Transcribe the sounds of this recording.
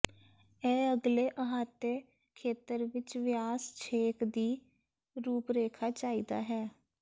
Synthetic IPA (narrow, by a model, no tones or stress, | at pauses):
ɛːəɡleːʔəɦaːt̪eː | kʰeːt̪əɾʋɪt͡ʃʋɪjaːst͡ʃʰeːkd̪iː | ɾuːpɾeːkʰaːt͡ʃaːiːd̪a̰ːɦɛː